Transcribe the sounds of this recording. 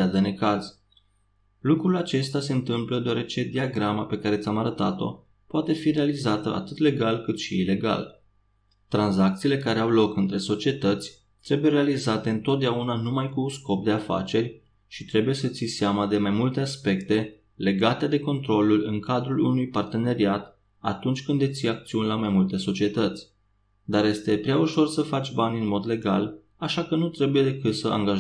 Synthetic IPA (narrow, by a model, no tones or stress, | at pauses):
ad̪enekaz | lukɾulat͡ʃe̞st̪ase̞ɨnt̪ɨmpləd̪eoaɾe̞t͡ʃe̞d̪iaɡɾamape̞kaɾe̞t̪sʲamaɾət̪at̪o̞̰ | poat̪e̞fiɾe̞alizat̪ə̰ʔa̰t̪ɨt̪le̞ɡalkɨt̪ʃiːle̞ɡa̰l | t̪ɾanzak̚t̪siːle̞kaɾe̞awlo̞kɨnt̪ɾe̞so̞t͡ʃie̞t̪ət̪sʲ | t̪ɾe̞bujeɾe̞alizat̪e̞ɨnt̪ot̪̚d̪eaunanumajkunsko̞p̚d̪e̞afa̰t͡ʃe̞rʲ | ʃit̪ɾe̞buje̞sət̪siseamad̪e̞majmult̪easpe̞kt̪e̞ | le̞ɡat̪e̞d̪e̞ko̞nt̪ɾo̞lulɨŋkad̪ɾulṵnujpart̪e̞ne̞ɾiat̪ | a̰t̪unt͡ʃʲkɨnd̪et̪sijak̚t̪siunʲlamajmult̪e̞so̞t͡ʃie̞t̪ət̪sʲ | d̪aɾje̞st̪e̞pɾʲeauʃo̞rsəfat͡ʃʲbanʲɨnmo̞d̪le̞ɡal | aʃakənut̪ɾe̞buje̞d̪e̞kɨt̪səʔa̰ŋɡa